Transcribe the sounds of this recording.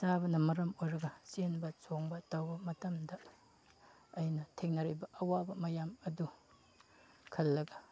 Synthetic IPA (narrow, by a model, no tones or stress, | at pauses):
sabɐnɐmɐɾɐmojɾɐɡɐsenbɐt͡ʃoŋbɐtɐwbɐmɐtɐmdɐ | jnɐtʰeŋnɐɾibɐʔɐwabɐmɐjamɐdu | kʰɐlːɐɡɐ